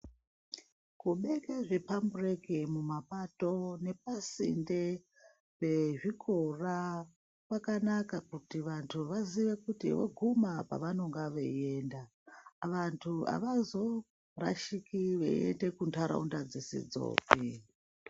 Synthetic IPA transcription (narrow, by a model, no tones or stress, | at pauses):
kuɓe̞keʐepamburekemumapato̞ne̞p̚asḭnde | pe̞ʐikʰora | kwakanakakutiʋantʰuʋaziʋe̞kutḭwḛɡʱumapa̰ʋano̞ŋɡaʋeenda | ʋantʰua̰ʋazo̞ | ra̰ʃikiʋe̞̰ḛnde̞kuntaɾa̰undad͡zisḭd͡zo̰ːpi